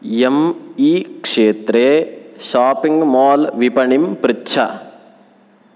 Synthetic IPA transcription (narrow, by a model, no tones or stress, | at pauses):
jemiːkʂeːt̪ɾeːʃaːpiŋɡmaːlʋipɐɳimpɾɪtːt͡ʃʰɐ̰